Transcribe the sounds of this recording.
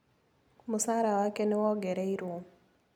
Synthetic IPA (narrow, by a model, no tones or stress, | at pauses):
musaɾawakɛnɛwɔɡɛɾɛiɾom